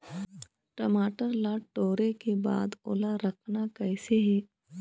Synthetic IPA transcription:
ʈɐmaːʈəɾlaːʈoːɾekeba̰ːd̪o̰ːlaɾɐkʰnakɛɪseɦɛː

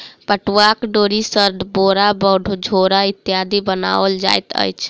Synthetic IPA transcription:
pəʈwakɖoɾisəɾd̪boɾabɔɖʱud͡ʒʱoɾait̪jad̪ibəna̰əld͡ʒa̰jt̪ə̰jt͡ʃʰ

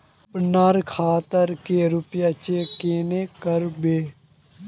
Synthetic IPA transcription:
pnaːɾkʰaːt̪əɾkeːɾʊpjaːt͡ʃeːkeːneːkəɾbeː

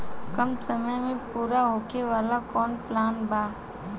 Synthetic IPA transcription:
kɐmsəməjmẽpuːɾaɦoːkeʋaːlakɔːnplaːnbaː

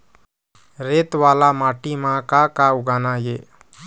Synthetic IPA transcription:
ɾet̪ʋaːlamaːʈimãkakaʊɡanaje

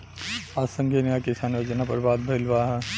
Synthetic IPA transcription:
aːsɐ̃ŋɡʱenijakɪsaːnʋɐt͡ʃnapɐɾbaːd̪̚bʱɐɪlʋaːɦ

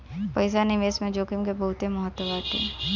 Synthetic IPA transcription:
pɐɪs̬anɪʋeːsmẽd͡ʒoːkimkebɐɦʊt̪ẽmɐɦət̪ːwəʋaːt̪ʰːḛː

